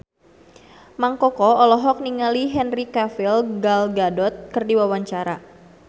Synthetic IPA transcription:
maŋkɔkɔɔlɔɦɔk̚niŋaliɦɛnrikafilɡalɡadɔt̪̚kɨrdiwawaɲt͡ʃaɾa

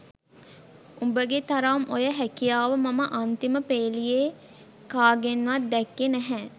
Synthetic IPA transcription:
ubəɡet̪aɾamojəɦækijaːʋəmaməʔant̪iməpeːlije | kaːɡenːʋat̪̚d̪ɛkːenæɦɛ

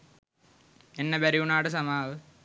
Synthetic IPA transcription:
enːɐbɐɾiuɳaːɽɨs̬ɐmaːʋɨ

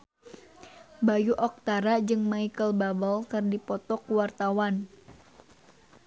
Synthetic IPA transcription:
bajuʔɔk̚t̪aɾad͡ʒɨŋmaikəlbabəlkɨrdipɔt̪ɔkuwart̪awan

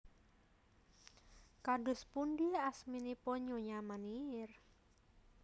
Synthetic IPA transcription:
kaɖʊspunɖiasminipɔɲoɲamanir

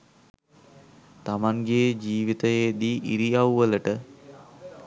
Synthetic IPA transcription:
t̪amaŋɡeːd͡ʒiːʋit̪əjeːd̪iːʔiɾiawʋələʈə

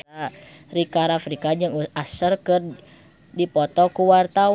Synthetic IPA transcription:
arikaɾafɾikad͡ʒɨŋuasərkɨr | dipɔt̪ɔkuwart̪a

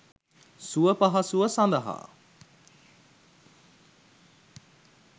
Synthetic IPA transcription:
suəpaɦɐsuʋəsand̪əɦa̰

